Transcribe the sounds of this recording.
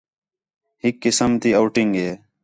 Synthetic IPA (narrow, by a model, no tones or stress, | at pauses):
hikːɪsəmt̪iːɐwʈiŋɡeː